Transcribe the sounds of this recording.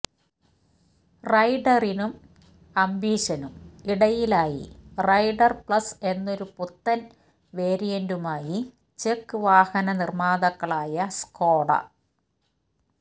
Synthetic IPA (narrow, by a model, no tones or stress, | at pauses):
rɐjɖɐrinum | ɐmbiːɕɐnumiɽɐjilaːjḭrɐjɖɐrpɭɐse̞nːo̞ɾuput̪ːɐn | ʋeːɾijɐndumaːji | t͡ɕekːɨʋaːhɐnɐnirmaːðɐkːɐɭaːjɐsko̞ːɽɐ̰